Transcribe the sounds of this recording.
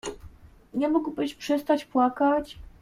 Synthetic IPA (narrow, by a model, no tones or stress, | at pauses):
ɲɛmuɡwbɘɕpʂɛst̪at͡ɕpwakat͡ɕ